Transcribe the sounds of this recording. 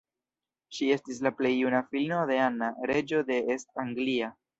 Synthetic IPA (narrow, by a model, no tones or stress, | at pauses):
ʃie̞stis̬laple̞jːunafilno̞de̞anaɾe̞d͡ʒo̞d̪e̞estaŋɡlia